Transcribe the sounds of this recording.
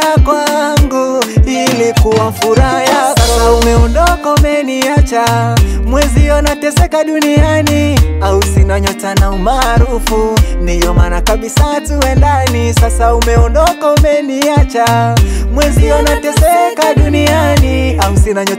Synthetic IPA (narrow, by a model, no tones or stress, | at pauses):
akwaŋɡuilikuwafuɾajaumɛɔndɔkaumɛniat͡ʃamwɛziɔnatɛsɛkaɗunianiausinaɲɔtanaumaːɾufundijɔmanakaɓisatuwɛndanisasaumɛɔndɔkaumɛniat͡ʃamwɛziɔnatɛsɛkaɗunianiausinaɲɔ